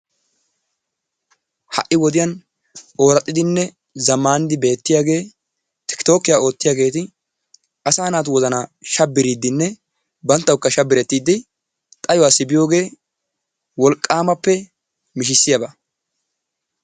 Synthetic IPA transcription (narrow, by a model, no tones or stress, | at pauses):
hɐ̰ʔɪwɔd̪ɪjɐn | ʔo̞ːɾɐt̪ʼːɪd̪ɪnːɛ | zɐmːaːnd̪ɪbe̞ːt̪ːɪjaːɡe̞ː | t̪ɪ̥kt̪o̞ːkːɪjaːo̞ːt̪ːɪjaːɡe̞ːt̪ɪ | ʔɐsaːnaːt̪̬ʊwɔzɐnaʃɐbːɪɾid̪ːɪnːɛ | bɐnt̪ːɐwkːɐʃɐbːɪɾɛt̪ːiːd̪ːɪ | t̪ʼɐjɔwaːsɪbɪjo̞ːɡe̞ː | wɔlkʼːaːmɐpːɛ | mɪʃ̬ɪsːɪjɐbɐ